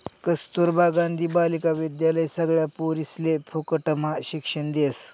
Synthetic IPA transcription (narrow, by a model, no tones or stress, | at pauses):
kəst̪uɾbaɡãnd̪ʱiːbalikaʋid̪jaləjsəɡɭjapoɾislepʰokəʈəmaɕikʂəɳd̪es